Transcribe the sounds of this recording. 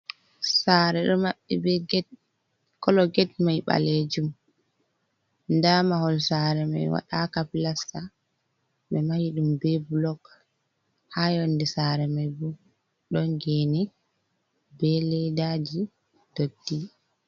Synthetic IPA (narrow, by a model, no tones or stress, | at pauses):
saːɾɛɗɔmaɓːɛb | kɔlɔɡɛt̚majɓa̰led͡ʒum | ndamahɔlsaːɾɛma̰jwa̰ɗakapilasːa | ɓɛmahiɗumbɛbulɔɡ | hajondisaɾɛmajbu | ɗɔŋɡɛnɛ | bɛlɛdad͡ʒi | d̥odːi